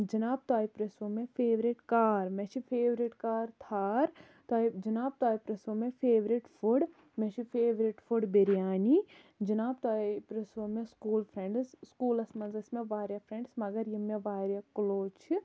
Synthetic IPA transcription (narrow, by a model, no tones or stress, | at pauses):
d͡ʒɐnaːb̚t̪aːipɾɐsʋomẽfʰeːʋɾiʈkaːɾmeʃʰipʰeːʋɾiʈkaːɾt̪ʰaːɾ | t̪aːid͡ʒɐnaːb̚t̪aːipɾɐsomẽfʰeːʋɾiʈfʰuɖ | mẽʃʰifʰeːʋɾiʈfʰuɖbeɾjaːni | d͡ʒɐnaːbt̪aːipɾɐsʋomẽskuːlpʰɾeɳɖsskuːlɐsmɐnzɐsmẽʋaːɾjɐpʰɾẽɳɖsmɐɡɐɾjɐmẽʋaːɾjɐkloːt͡ʃʰi